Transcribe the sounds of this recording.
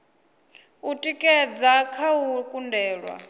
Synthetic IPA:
utʼikʼɛd͡zakʰaukʼundɛːɺwa̰

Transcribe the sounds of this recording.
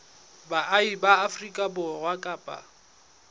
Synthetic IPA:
baʔaibaːfrikʼabʊrwakʼaːpʼa̰

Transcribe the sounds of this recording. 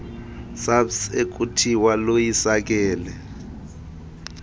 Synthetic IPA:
sabsek̬ʼutʰiwalojisak̬ʼɛːlɛ

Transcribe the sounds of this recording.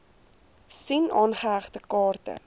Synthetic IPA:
sinɑːnχəɦæχtəkɑːrtə̰

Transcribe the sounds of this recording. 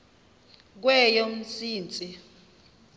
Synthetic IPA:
k̬wɛjom̩sʼiːnt͡sʼi

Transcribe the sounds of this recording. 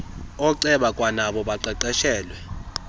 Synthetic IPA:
ɔǀɛɓakʼwanaɓɔɓaǃɛǃɛʃɛːlwɛ

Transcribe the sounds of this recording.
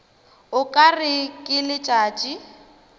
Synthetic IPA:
ʊkʼarɪkʼɪlɪt͡ʃʼaːt͡ʃʼi

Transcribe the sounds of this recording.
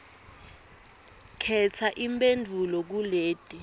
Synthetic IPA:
kʰɛt͡sʰaʔimpʼendʱulɔk̬uleːd̥ʱʼi

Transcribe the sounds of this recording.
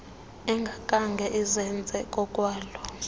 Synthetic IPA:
ɛŋɡʱakʼaŋɡʱɛʔizɛnd͡zʱɛkʼɔkʼwaːlɔ

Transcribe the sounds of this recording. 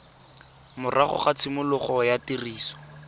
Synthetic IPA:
mʊrʔaχɔ̰χat͡sʰɪmʊlʊχɔjatiriːsɔ̥

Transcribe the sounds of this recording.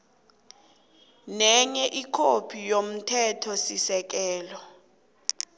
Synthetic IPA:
nɛɲɛʔikʰopʰijom̩tʰɛtʰɔsisɛk̬ɛːlɔ

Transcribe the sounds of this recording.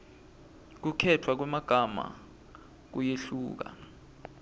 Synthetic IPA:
k̬ukʰɛtʰwak̬wɛmaɡ̥ʱama̰ | k̬ujeɬuːk̬a̰

